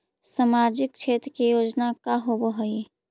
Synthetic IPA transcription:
samaːɾd͡ʒɪk̚t͡ʃʰeːt̪ɾəkijoːd͡ʒnakaɦoboɦoi

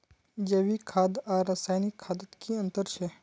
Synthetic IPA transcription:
d͡ʒeʋikʰaːd̪aːɾːasaːjnɪkʰːaːd̪ət̪kiɐ̃nt̪əɾt͡ʃʰɛ

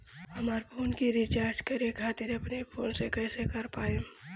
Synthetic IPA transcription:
hɐmaːɾpʰoːnkiɾɪt͡ʃaːɾd͡ʒkɐɾekʰaːt̪ɪɾɐpnepʰoːlsekɛːsekɐɾpaːẽ

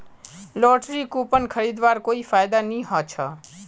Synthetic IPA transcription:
lɔːʈɾiːkuːpənkʰəɾiːd̪ʋaːɾkoːifaːjd̪anĩːɦaːt͡ʃʰaː

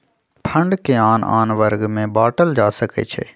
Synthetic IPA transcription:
pʰə̃ɳɖkeaːna̰ːnʋəɾɡmẽbaːʈəld͡ʒaːsəkḛt͡ʃʰḛː

